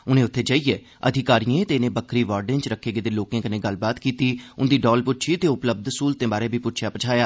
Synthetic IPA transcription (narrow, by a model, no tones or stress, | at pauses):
ʊnẽːʊt̪ʰːeːd͡ʒaːiːeː | ə̰d̪ʱɪkaːɾijẽt̪eːnẽːbəkʰɾiːʋaːɾɖɪ̃nt͡ʃɾəkʰːeːɡed̪eloːkẽːkənẽːɡəlbaːt̪kiːt̪iːʊnd̪iːɖɔːlpʊt̪t͡ʃʰiːt̪eːʊpləb̚d̪skuːlt̪ẽːbaːɾeːbʱiːpʊtt͡ʃʰjaːpət͡ʃʰaːjaː